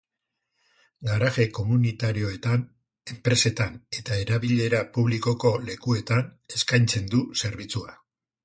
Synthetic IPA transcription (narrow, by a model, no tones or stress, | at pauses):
ɡaɾaɣe̞ko̞munit̪aɾio̞e̞t̪an | e̞mpɾe̞se̞t̪ane̞t̪ae̞ɾaβiʎe̞ɾapuβliko̞ko̞le̞kue̞t̪ane̞skajnt͡se̞nd̪use̞ɾβ̞it͡sua